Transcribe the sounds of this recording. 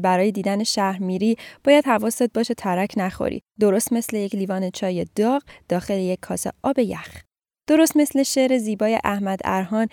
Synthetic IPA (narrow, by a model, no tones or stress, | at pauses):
bæɾɒːjed̪iːd̪æneʃæhɾmiːɾiːb̥ɒːjæd̪̥hævɒːsd̪ɒːd̪̚bɒːʃet̪ʰæɾæcʰnæxo̰ɾḭd̪o̞ɾo̞st̪me̞sle̞jecʰliːvɒːne̞t͡ʃʰɒːje̞d̪̥ɒːɣd̪̥ɒːxe̞lejecʰːɒːsḛʔɒːbe̞jæx | d̪̥o̞ɾo̞st̪me̞sleʃeɾe̞ziːbɒːje̞̰ʔæhmæd̪æ̰ɾɦɒːn